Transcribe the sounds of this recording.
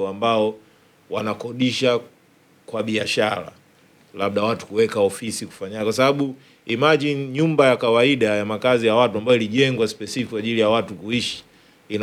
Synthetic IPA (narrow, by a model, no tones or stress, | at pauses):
ambaɔ | wanakɔɗiʃa | kwaɓiaʃaɾa̰ | laɓ̚ɗawatu̥kuwɛkaɔfisiku̥faɲaɲikwas̬aɓaɓu | imaʄiɲumbajakawaiɗajamakazijawatuambaɔiliʄɛŋɡwaspɛsifikikwaʄilijawatukuiʃi̥ | in